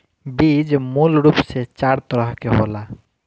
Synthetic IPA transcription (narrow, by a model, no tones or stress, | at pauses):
bid͡ʒmulɾupset͡ʃaɾt̪ɔɾəɦkeɦola